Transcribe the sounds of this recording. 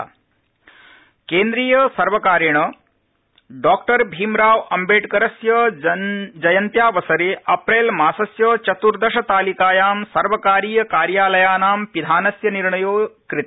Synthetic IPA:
keːnd̪ɾiːjɐsɐɾʋɐkaːɾjɐɳɐ | ɖaːkʈɐɾbʱiːmɾaːʋɐmbʱeːʈkɐɾɐsjɐ | d͡ʒɐjɐnt̪jaːʋɐsɐɾeːɐpɾeːlmaːsɐsjɐːt͡ʃɐt̪uɾd̪ɐʂɐt̪aːlikaːjaːmsɐɾʋɐkaːɾiːjɐkaːɾjaːlɐjaːnaːmpid̪ʱaːnɐsjɐniɾɳɐjoːkɾit̪

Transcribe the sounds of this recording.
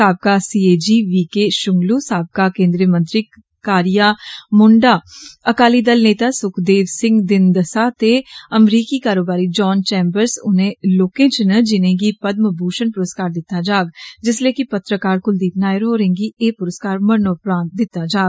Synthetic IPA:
aːb̚kasiːeːd͡ʒiːʋiːkeʃʊŋɡluːsaːb̚kakẽːnd̪ɾijəmə̃nt̪ɾi | kaːɾijaːmʊɳɖaːəkaːlid̪əlneːt̪aːsʊkʰd̪eːʋsɪ̃ŋɡd̪ɪnd̪əsaːt̪eəmɾiːkikaːɾoːbaːɾid͡ʒɔːnt͡ʃɛ̃ːmbəɾsʊnẽloːkẽːt͡ʃnəd͡ʒɪnẽɡipəd̪̚məbʱuːʃənpʊɾəskaːɾd̪ɪt̪ːad͡ʒaːɡd͡ʒɪsleːkipɐt̪ɾəkaːɾkʊld̪iːpnaːəɾɦoːɾẽːŋɡieːpʊɾəskaːɾməɾnopɾaːnt̪̚d̪ɪt̪ːad͡ʒaːɡ

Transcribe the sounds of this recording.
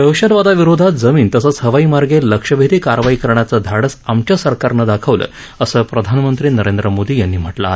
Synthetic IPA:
d̪əwɕəd̪ʋad̪aʋiɾod̪ʱat̪d͡zəmiːnt̪əsət͡shəʋaiːmaɾɡeləkʂəbʱet̪iːkaɾʋaikəɾɳjat͡səd̪ʱaɽəsamt͡ɕjasəɾkaɾnəd̪akʰəʋlə̰ː | əsəːpɾəd̪ʱanmənt̪ɾiːnəɾend̪ɾəmod̪iːjanːiːm̤əʈlaːe

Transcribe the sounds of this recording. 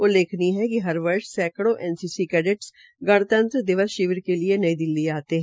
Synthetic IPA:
oleːkʰniɦɛkiɦɐɾʋɐɾʃsɛːkɽõʔɛːnsiːsikɛːɖɪʈs | ɡɐɽ̃t̪ə̃nt̪ɾd̪ɪʋəsʃɪʋɪɾkelienɐid̪ɪlːiaːt̪eɦɛ̃

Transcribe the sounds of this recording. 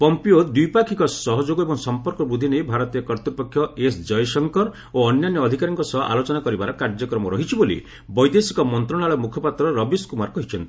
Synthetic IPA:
pɔmpiod̪ujpakʰikɔsɔɦɔd͡ʒoɡɔebɔŋsɔmpɔɾkɔbud̪ʱinejbʱaɾɔt̪iɔkɔɾt̪upɔkʰːjɔesd͡ʒɔjsɔŋkɔɾ | oɔnjanjɔːd̪ʱikaɾɔŋkɔsɔɦʔa̰lot͡ʃɔnakɔɾibaɾɔkaɾd͡ʒɔkɾɔmɔɾɔɦit͡ʃʰibolḭ | bɔjd̪esi̥kɔmɔnt̪ɾɔɽ̃aɭɔmukʰɔpat̪ɾɔɾɔbiskumaɾkɔɦit͡ʃʰɔnt̪i̥

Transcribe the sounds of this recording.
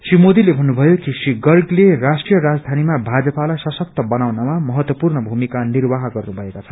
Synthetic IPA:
simod̪ilebʱʌnːubʱʌjokisriɡʌrɡlerasʈrijʌɾad͡zd̪ʱanimabʱad͡zʌpalajsʌsʌk̚t̪ʌbʌnawnamamʌɦʌt̪wʌpurnʌbʱumikanirbaɦɡʌrnubʱʌekat͡sʰʌ

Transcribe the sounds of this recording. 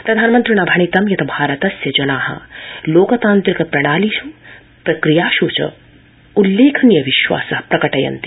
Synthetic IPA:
pɾɐd̪ʱaːnmɐnt̪ɾinɐbʱɐɳ̃it̪ɐmjɐt̪ɐbʱaːɾɐt̪ɐsjɐd͡ʒɐnaːɦɐ̰loːkɐt̪aːnt̪ɾikɐpɾɐɽ̃aːliʃɐ | pɾɐkɾijaːʃuːt͡ʃɐ̰ | ulːeːkʰɐnjɐʋiʃʋa̰ːsɐhpɾɐkɐʈɐjɐ̰nt̪i

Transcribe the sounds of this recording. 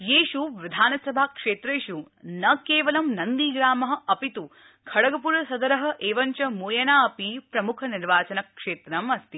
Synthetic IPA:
jeːʃuʋid̪ʱaːnɐsɐbʱakʂeːt̪ɾeːʃu | nɐkeːʋɐlɐmnɐnd̪iːɡɾaːmɐɦɐ̆ʔɐpit̪u | kʰɐɽɐɡɐpuɾɐsɐd̪ɐɾɐɦɐ̆ʔeːʋɐɲt͡ʃɐmoːjɐnaːɐpipɾɐmukʰɐniɾʋaːt͡ʃɐnɐkʂeːt̪ɾɐmɐst̪i

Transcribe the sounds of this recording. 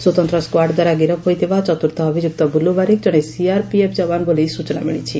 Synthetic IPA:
swot̪ɔnt̪ɾɔskwaɖd̪waɾaɡiɾɔojt̪ʰebat͡ʃɔt̪uɾt̪ɔːbʱid͡ʒuk̚t̪ɔbulːubaɾikd͡ʒɔɽ̃esiaɾpiepʰd͡ʒɔbanbolisut͡ʃɔna̰miɭ̃it͡ʃʰi

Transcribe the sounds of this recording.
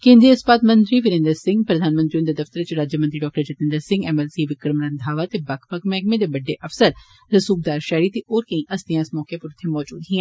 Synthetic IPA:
kẽːnd̪iːəspaːt̪mənt̪ɾiːʋɪɾẽnd̪əɾsɪ̃ŋɡpɾəd̪ʱaːnmə̃nt̪ɾiũnd̪ed̪əft̪əɾt͡ʃɾaːd͡ʒjəmənt̪ɾiɖɔːk̚ʈəɾt͡ʃət̪ɪ̃nd̪əɾsɪ̃ŋɡɛːmɛlsiːʋɪkɾmɾənd̪ʱaːʋaːt̪ebəkʰbəkʰmɛːɡmẽd̪eːbɐɖːeːʔəfsəɾ | ɾəsuːk̚d̪aːɾʃɛːɾiːt̪eʔoːɾkəĩːʔəsd̪ijãːɪsmɔːkepəɾʊt̪ʰːemɔːd͡ʒṵːd̪ɦĩɛ̃ː

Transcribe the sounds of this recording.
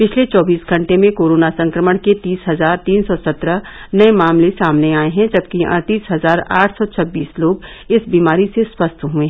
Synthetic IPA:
pɪt͡ʃʰlet͡ʃɔːbiːsɡʱɐ̃ɳʈemẽkoːɾoːnasɐ̃ŋkɾəməɽ̃ket̪iːsɦɐzaːɾt̪iːnsɔsɐt̪ɾənɐemaːmlesaːmneaːeɦɛ̃d͡ʒɐb̚kiɐ̰̃ɽt̪iːsɦɐzaːɾa̰ːʈʰsɔt͡ʃʰɐbːiːsloːɡ | ɪsbiːmaːɾiseswɐst̪ɦuẽɦɛ

